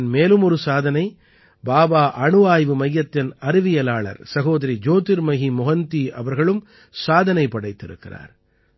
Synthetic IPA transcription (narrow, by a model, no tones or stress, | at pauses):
nmeːlɯmɔɾɯsaːðɐnɐɪ | baːbaːʔɐɳɯʋaːjʋɯmɐjːɐt̪ːɪnɐɾɪʋɪjɐlaːɭɐ̰ɾsɐɣoːðɐɾid͡ʒoːt̪ɪɾmɐɣimɔɣɐnt̪iʔɐʋɐɾɣɐɭɯm | saːðɐnɐɪpːɐɽɐɪt̪ːɪɾɯ̰kːɪra̰ːɾ